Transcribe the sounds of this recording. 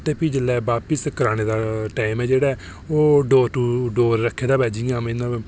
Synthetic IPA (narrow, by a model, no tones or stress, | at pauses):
t̪eːpʰiːd͡ʒəlːɛːbaːpəskəɾaːɽ̃eːd̪aːʈaːɪmɛːd͡ʒeːɽaːɛː | oːɖoːɾʈuːɖoːɾːəkʰːeːd̪aːbɛːd͡ʒiãːmenãː